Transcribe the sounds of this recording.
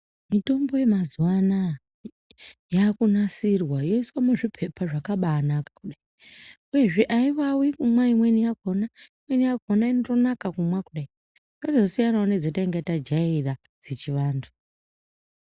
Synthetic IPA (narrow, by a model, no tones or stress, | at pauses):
mito̞mbo̞je̞mazwana | jaːkunasirwajo̞iswamuʐipʰe̞pʰaʐakaɓaːnakḁkuɗai | uje̞ʐe̞ʔaiʋawikumwaimwenijaɡʱonaimwe̞nijaɡʱonainoto̞nakakumwakuɗai | dozo̞sijanaune̞d͡zetaiŋɡatad͡ʒaira | d͡zet͡ʃiʋaːntʰu̥